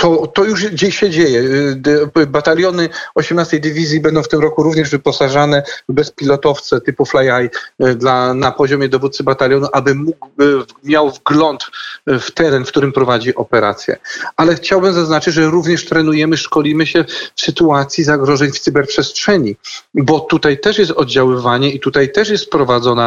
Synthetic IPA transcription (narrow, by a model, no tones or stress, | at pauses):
t̪ɔt̪ɔjuʂd͡ʑeɕːɛd͡ʑejɛ | bat̪alʲjɔnɘɔɕɛmnast̪ɛjd̪ɘvʲizʲjibɛnd̪ɔ̃wft̪ɘmɾɔkuɾuvɲɛʐvɘpɔsaʐanɛbɛspʲilɔt̪ɔft̪sɛt̪ɘpuflajajd̪lanapɔʑɔmʲjɛd̪ɔvut̪sɘbat̪alʲjɔnuʔabɘmuɡmʲjawvɡlɔnt̪ft̪ɛɾɛnfkt̪uɾɘmpɾɔvad͡ʑiʔɔpɛɾa̰t̪sʲjɛ̰alɛxt͡ɕawbɘmzaznat͡ʂɘd͡ʑʐɛɾuvɲɛʂt̪ɾɛnujɛmɘʂkɔlʲimɘɕɛfsɘt̪uat̪sʲjizaɡɾɔʐɛɲft̪sɘbɛɾpʂɛstʂɛɲibɔt̪ut̪ajt̪ɛʂjɛst̪ɔd̪̚d͡ʑawɘvaɲɛit̪ut̪ajt̪ɛʂjɛst̪pɾɔvad̪zɔna